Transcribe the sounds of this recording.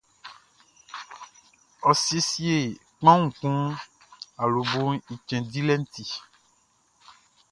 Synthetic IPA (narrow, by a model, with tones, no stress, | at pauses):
ɔ˨se˦si˦e˨ | k͡pã˦ŋũ˨kũ˦ | a˨lo˨bo˦i˨t͡ʃɛ̃˨di˦lɛ˦n̩˦t̪i˨